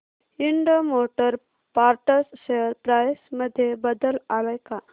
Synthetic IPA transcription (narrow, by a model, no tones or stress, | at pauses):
iɳɖəmoʈəɾ | paɾʈəsɕeəɾpɾajsməd̪ʱːjebəd̪əlaləjka